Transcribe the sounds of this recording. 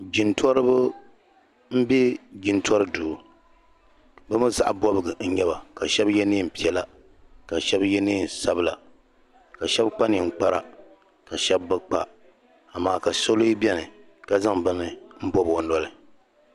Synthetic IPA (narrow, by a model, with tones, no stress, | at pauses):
d͡ʒi˨ntɔ˦ɾɨ˦bɨ˦ | m̩˦bi˦d͡ʒi˨ntɔ˦ɾɨ˦duː˨ | bɨ˦mɨ˦za̰˨ʔbɔ˦bɨ˨ɡɨ˨n̩˦ɲɛ˦ba˨ka˨ʃɛ˦bjɛ˦niː˦˨m̩˨pi˨ɛ˨la˨ | ka˨ʃɛ˦bjɛ˦niː˦˨n˨sa˦bɨ˦la̰˨ | ka˨ʃɛ˦bk͡pa˦n˨i˨ŋ͡m̩˦˨k͡pa˦ɾa̰˨ | ka˨ʃɛ˦bːɨ˦k͡pa̰˨ | a˨maː˨ka˨so˦lo˦i˦bɛ˦nɨ˨ | ka˦za˦ŋbɨ˦nɨ˦m̩˦bɔ˦bo˨nɔ˦lɨ˦